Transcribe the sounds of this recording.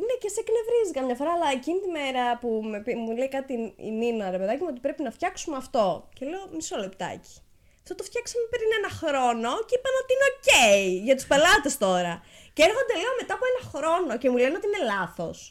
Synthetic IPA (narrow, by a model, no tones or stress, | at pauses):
ine̞ce̞sekne̞vɾizikɐmɲɐfo̞ɾɐːlɐe̞cinit̪ime̞ɾɐpumepimuleikɐt̪iḭminoɐɾepe̞ðɐcimuo̞t̪̬i̥pɾepinɐft̪çɐksumeɐft̪o̞ce̞le̞o̞miso̞lept̪ɐ̰ci̥ | ɐft̪ot̪oft̪çɐksɐmepeɾinenɐxɾo̞no̞ceipɐno̞t̪iineoceiʝɐt̪u̥spe̞lɐt̪e̞st̪o̞ɾɐ | ceeɾxo̞nd̪e̞leo̞me̞t̪ɐpuenɐxɾo̞no̞ce̞mule̞neot̪iine̞lɐθo̞̰s